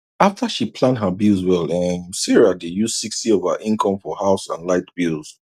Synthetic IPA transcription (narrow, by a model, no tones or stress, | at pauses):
aftʰəʃipʰlãndɦəbilˠzwɛlɛmsɛɹadejuz̥sikstiɔv̥ə̰ʔĩnkʰɔ̃mfɔhaʊsã̰nlaɪtb̥ilˠz̥